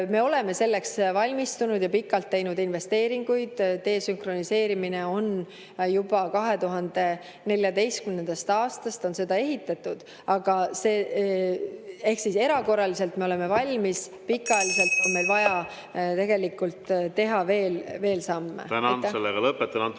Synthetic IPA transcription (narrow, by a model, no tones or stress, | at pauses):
me̞o̞le̞me̞se̞lːe̞ksvɑlʲmist̪unud̪jɑpikːˑɑlt̪ːe̞jnud̪inve̞st̪e̞ːɾiŋɡ̥ujd̪̥t̪e̞ːsyŋkro̞nise̞ːɾimine̞o̞n | jubɑkɑɦe̞t̪uɦɑnd̪̥e̞ | ne̞lʲjɑd̪e̞jst̪kymne̞nd̪̥ɑst̪ɑːst̪ɑst̪o̞nse̞d̪ɑe̞ɦit̪ːˑɑt̪ːˑud̪̥ | ɑɡ̥ɑseː | e̞hksise̞ɾɑko̞rːɑlise̞lt̪me̞o̞leme̞vɑlʲmis | pikːˑɑlise̞lt̪ːo̞nme̞jlvɑjɑ | t̪e̞ɡ̥e̞likːult̪t̪e̞ɦɑve̞ːlve̞ːlsɑmːḛt̪ænnselːeɡ̥ɑlɤpːet̪ːˑɑnɑn